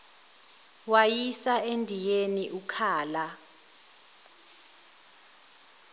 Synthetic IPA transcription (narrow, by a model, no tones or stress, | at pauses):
wajisaendʱijeniʔukʰaːla